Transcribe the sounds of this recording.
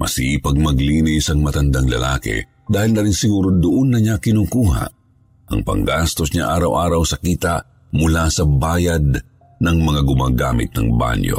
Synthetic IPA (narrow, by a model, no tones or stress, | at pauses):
mʔɐ̰sipɐɡ̚mɐɡlinɪjsɐŋmɐt̪ɐnd̪aŋlɐ̰laːkɛ̰ | d̪aːhɪlnɐɾinsɪɡuːɾod̪ʊʔonːɐɲakɪnuːkuːɦa̰ʔ | ʔɐ̰ŋpɐ̰ŋɡast̪osɲaʔaːɾɐ̰wʔaːɾɐwsɐkiːt̪aʔ | mʊlasɐbaːjad̪̚ | nɐŋmɐŋaɡʊmaːɡa̰ːmɪ̰t̪̚nɐ̰ŋba̰ɲjo̰